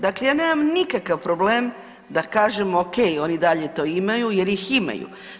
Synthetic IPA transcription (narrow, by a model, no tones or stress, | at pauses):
d̪aklejaːneːmamnikakaʋpɾobleːm | d̪akaːʒemoke̞jo̞nid̪aʎe̞t̪o̞ːimajuje̞ɾjixima̰jṵ